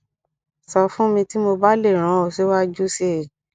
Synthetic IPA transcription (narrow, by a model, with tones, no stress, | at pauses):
sɔ˧fũ˦mĩ˧ti˦mo˧ba˦le˦˨ɾ̃ã˨˦o˨se˨˦wa˦d͡ʒu˦se˦˨